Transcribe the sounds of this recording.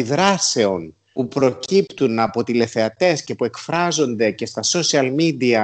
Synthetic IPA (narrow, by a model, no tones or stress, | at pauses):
iðɾɐse̞o̞n | pupɾo̞cipt̪unɐpo̞t̪ile̞θe̞ɐt̪e̞sce̞pue̞kfɾɐzo̞nd̪e̞ce̞st̪ɐso̞siɐlmid̪iɐ